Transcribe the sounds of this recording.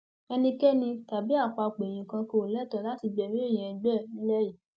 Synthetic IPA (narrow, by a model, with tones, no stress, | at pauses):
ɛ˧nĩ˧kɛ˦nĩ˧ta˨bi˦a˦˨k͡pa˧k͡pe˨j̃ĩ˨kã˧ko˧˨lɛ˦˨tɔ˨la˨˦ti˧ɡ͡bɛ˨ɾĩ˦e˦˨j̃ɛ̃˨ɛ̃˨˧ɡ͡bɛ˦˨i˦lɛ˦ji˦˨